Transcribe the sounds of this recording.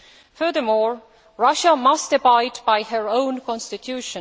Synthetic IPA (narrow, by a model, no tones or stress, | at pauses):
fə˞ðəmɔːɹ | ɹʌʃəmʌstɨbaɪdbaɪhə˞õʊ̃nkʰɔ̃nstɪtʰjuʃə̃